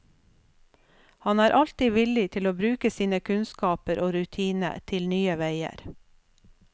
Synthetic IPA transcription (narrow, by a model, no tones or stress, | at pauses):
hɑnæːɾʔɑlt̪iːʋɪlɪt̪ʰɪloːbɾʉːkəsiːnəkʰʉnskɑːpəɾʔoːɾʉt̪ʰiːnə̰t̪ʰɪlnyːəʋæɪə̰ɾ